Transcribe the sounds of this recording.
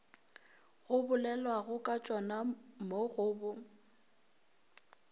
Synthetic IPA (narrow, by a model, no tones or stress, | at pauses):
ɣʊbʊlɛlwaɣʊkʼat͡ʃʼɔnamoɣʊːbʊ